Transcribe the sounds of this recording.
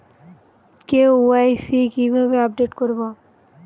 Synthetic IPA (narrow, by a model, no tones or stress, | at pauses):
kewuajsikibʱabeap̚ɖeʈkoɾbo